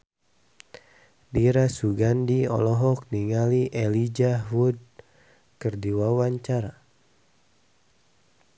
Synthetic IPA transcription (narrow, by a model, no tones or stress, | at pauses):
diɾasuɡandiɔ̰lɔɦɔk̚niŋaliʔelid͡ʒaɦud̚ | kərdiwawaɲt͡ʃaɾa